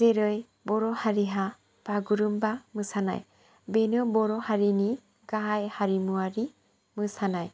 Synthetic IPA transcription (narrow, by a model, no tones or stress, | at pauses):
zeɾɯj | bɔɾɔhaɾiɦa | b̥aɡuɾumbamɯsana̰j | benɯbɔɾɔhaɾini | ɡaɦajhaɾimuaɾi | mɯsanaj